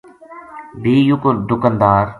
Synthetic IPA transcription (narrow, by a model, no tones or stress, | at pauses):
biːjʊkɾd̪ʊkənd̪aːɾ